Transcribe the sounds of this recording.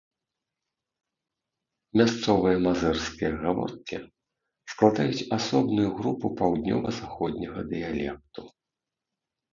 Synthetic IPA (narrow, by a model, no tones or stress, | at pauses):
mʲast̪sɔvɨjɐmazɛrskʲijɐɣavɔ̰rt̪̚kʲḭ | sklˠad̪ajut͡sʲasɔbnujuɣɾupupawd̪nʲɔ̰vɐzaxɔd̪̚ʲnʲɐɣɐd̪ɨjalʲɛk̚t̪u